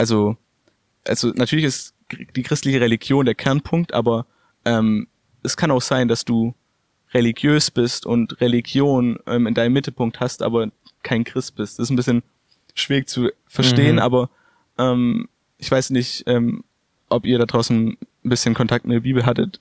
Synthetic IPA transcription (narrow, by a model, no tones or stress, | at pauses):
ʔalzo | ʔa̰lzonatʰyːɐlɪçɪst | d̥iːkʁ̥ɪstlɪçəʁeliɡjoːndeːɐkʰɛɐnpʰʊŋk̚tʔa̰ːbɐ | ʔɛːm | ʔɛskʰanaʊxz̥aɪndasd̥uː | ʁeliɡjøːsb̥ɪstʊ̰ntʁeliɡjoːnʔɛ̰ːmɪndaɪnəmːɪtl̩pʰʊŋk̚thastʔa̰ːbɐ | kʰaɪnkʁ̥ɪst̚b̥ɪstsɪstn̩bɪsçən | ʃv̥iːʁɪçt͡su | fɛɐʃteːənʔa̰ːbɐ | ʔɛːm | ʔɪçv̥aɪsnɪçtʔɛːm | ʔɔpiːɐɾadʁaʊsn̩ | n̩bɪsçənkʰɔntʰak̚tmɪtd̥ːɐbiːbl̩ɦatət